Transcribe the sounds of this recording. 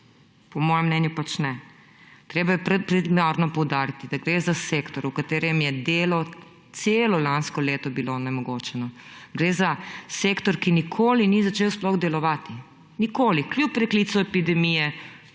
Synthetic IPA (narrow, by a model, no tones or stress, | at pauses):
pɔmɔːjɛmnɛnjupat͡ʃnɛ | t̪ɾeːbajɛpɾɛt̪̚pɾimaɾnɔpɔwd̪aːɾit̪id̪aɡɾeːzaseːkt̪ɔɾukat̪eːɾɛmjɛd̪eːlɔ | t̪seːlɔlanskɔleːt̪ɔbilonɛmɔɡoːt͡ʃɛnɔɡɾeːzaseːkt̪ɔɾkinikʰoːlinizat͡ʃeːwsplɔɣd̪ɛlɔʋaːt̪i | nikoːlikljupːɾɛklit̪sɔɛpid̪ɛmijɛ